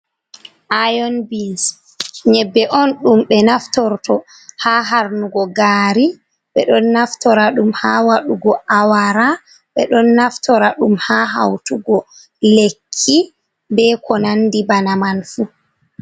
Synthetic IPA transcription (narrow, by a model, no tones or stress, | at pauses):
ʔajɔnbins | ɲɛbːɛʔɔnɗumɓɛnaftɔɾtɔ | haɦaɾnuɡɔɡaːɾi | ɓɛɗɔnːaftɔɾaɗumhaːwaɗuɡɔʔawaɾa | ɓɛɗɔnːaftɔɾaɗumhaɦa̰wtuɡɔ | lekʰːi | bɛkɔnandibanamanfu